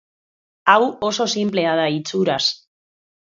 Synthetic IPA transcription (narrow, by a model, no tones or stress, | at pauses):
awo̞so̞simple̞að̞ait͡suɾas